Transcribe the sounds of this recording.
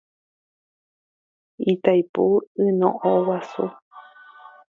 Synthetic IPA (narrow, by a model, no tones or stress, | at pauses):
it̪ajpuɨnõ̰ʔowasṵ